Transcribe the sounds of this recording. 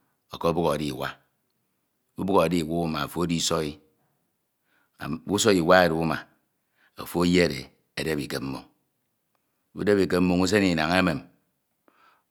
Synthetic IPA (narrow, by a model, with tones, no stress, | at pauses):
o˨kɔ˦o˦bu˦ɣo˨di˦˨wa˦ | u˦bu˦ɣo˨a˨di˦˨wu˦u˦ma˨o˨fo˦o˦di˦sɔ˦i˦˨ | u˦so˦i˨wa˦e˨ɾu˨u˦ma̰˨ | o̰˨fo˦je˦˨ɾḛ˨ | e˨de˦bi˨ke˨p̚m̩˦mo̰˨ŋ | ṵ˦de˦bi˨ke˦m̩˦mu˦ŋu˦s̬e˦ni˨na˨ŋe˦me˨m